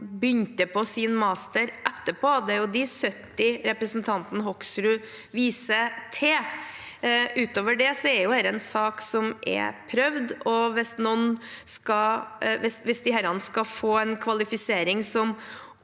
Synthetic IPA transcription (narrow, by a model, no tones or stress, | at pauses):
bʏnt̪əpʰɔsɪnmɑːst̪əɾʔɛt̪ːəpʰoːd̪ɛæɾjʊd̪ɪsœt̪ːɪɾɛpɾəsnt̪ʰɑnt̪nəɦɔksɾʉ | ʋiːsət̪ʰeː | ʔʉːt̪oːʋəɖɛsɔæɾjʊhæːɾɛnsɑːksɔmʔɛ̰pʰɾœʋd̪ɔʋɪsnɔnskɑʋɛsʋɪsd̪ɪhæɾɑnəskɑfoːɛnkʰʋɑlɪfɪseːɾɪŋsɔm